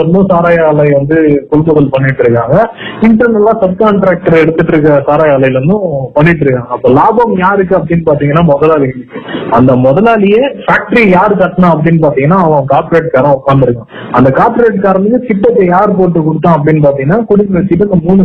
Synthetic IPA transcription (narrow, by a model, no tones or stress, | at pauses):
ɐɾɯnd̪ɯ̃saːɾaːjaːlɐɪʋɐnd̪ɯkʊɽʊmbɐɣɐlpɐɳːɪʈːɾɯkːaːŋɡɐɪɳʈɐɾnɛlːãːsɐb̚kaːɳʈɾaːk̚ʈɐɾɛɽɯt̪ːɯʈːɾɯk̬ːɐsaːɾaːjaːlɐɪlɾɯnd̪ɯ̃pɐɳːɪʈːɾɯkːãːŋɡɐɐpːoːlaːbɐmjaːɾɯk̬ːɯɐpːɐɽɪinːɯpaːɾt̪iːŋɡɐnːaːmɔðɐlaːlɪjɐɯkːɯɐnd̪ɐmɔðɐlaːlɪjeːfaːk̚ʈɐɾijaːɾɯkɐʈːɐnãːɐp̬ːɐɽinːɯp̬aːɾt̪iːŋɡɐnːaːɐʋɐ̃ɐ̃kaːɾp̪ɾeːʈkaːɾɐ̃ʊkːaːnd̪ɪɾɯkːãː | ɐ̰nd̪ɐkaːpːɾeːʈkaːɾɐnɯkːɯkɪʈːɐt̪ːɐjaːɾp̬oːʈːɯkʊɽɯt̪ːãːɐpːɐɽɪnːɯp̬aːɾt̪ĩŋɐnːaːkʊɽɪnɐʋɛt͡ʃːɪʈːɯɐnd̪ɐmuːɳɯ